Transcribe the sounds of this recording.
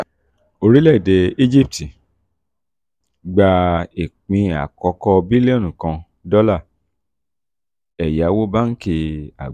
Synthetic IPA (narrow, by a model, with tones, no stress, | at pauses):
o˧ɾi˦lɛ˦˨i˨de˨˧i˦d͡ʒi˦p̚ti˨ | ɡ͡ba˧e˨k͡pĩ˧a̰˨kɔ˨˧˦kɔ˧bi˦le˦o˦˨nũ˨kã˧ | dɔ˦la˦˨ | ɛ˨ja˨˦wo˦ba˦n̩˦ke˧a̰˨